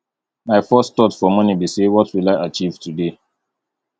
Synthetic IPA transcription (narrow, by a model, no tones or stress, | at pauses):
maɪfɜstɔtfɔmʌnibisewɔtʰwilaɪʔat͡ʃivtude